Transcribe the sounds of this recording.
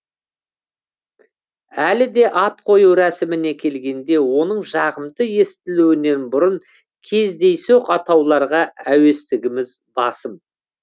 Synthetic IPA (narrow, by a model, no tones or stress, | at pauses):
ælɪd̪e̞ʔɑt̪̚qʰo̞juɾæsɪmɪne̞kʲʰe̞lɡʲe̞nd̪e̞wo̞nəɴʒɑʁəmt̪əje̞st̪ɪluwɪne̞nbʊɾʊɴ | kʲʰe̞zd̪e̞jseqɑt̪ɑwlˠɑɾʁɑæwe̞st̪ɪɡʲɪmɪz | bɑsəm